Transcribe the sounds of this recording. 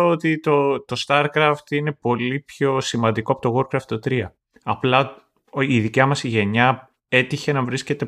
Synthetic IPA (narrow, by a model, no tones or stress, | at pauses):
ot̪it̪ot̪o̞st̪ɐɾkɾɐft̪ine̞po̞lipço̞simɐnd̪iko̞ɐpo̞t̪o̞ɣo̞ɾkɾɐft̪t̪ːot̪ɾiɐ | ɐplɐ | iðicɐmɐsiʝe̞ɲɐ | e̞t̪içe̞nɐvɾisce̞t̪e̞